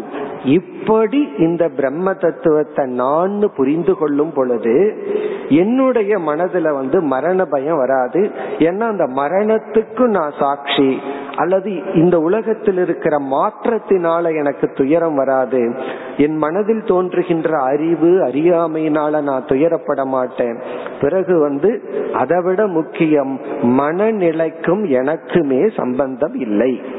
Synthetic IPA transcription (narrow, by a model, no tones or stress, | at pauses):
ɪpːɐɽiɪnd̪ɐbɪɾɛmːɐt̪ɐt̪ːɯʋɐt̪ːɐnaːnːɯpʊɾɪnd̪ɯkɔɭːɯmpɔɭɯðɯ | ɛnːɯɽɐjɐmɐnɐðɪlɐʋɐnd̪ɯmɐɾɐɳɐbɐjɐ̃ʋɐɾaːðɯeːnːaːɪnd̪ɐmɐɾɐɳɐt̪ːɯkːɯnãːsaːkʂiʔɐlːɐðɯɪnd̪ɐʊlɐɣɐt̪ːɪlɪɾɯkːɪɾɐmaːʈɾɐt̪ːɪnaːlɐɛnɐkːɯt̪ːʊjɐɾɐmʋɐɾaːðɯ | ɛnmɐnɐðɪlt̪oːndrɯɣɪndrɐːɾɪʋɯɐɾɪjaːmɐjɪnaːlɐnaːnt̪ʊjɐɾɐpːɐɽɐmaːʈːẽːpɪɾɐɣɯʋɐnd̪ɯʔɐ̰ðɐʋɪɽɐmʊkːɪjɐmːɐnɐnɪɭɐɪkːɯmɛnɐkːɯmeːsɐ̰mbɐnd̪ɐmɪlːɐɪ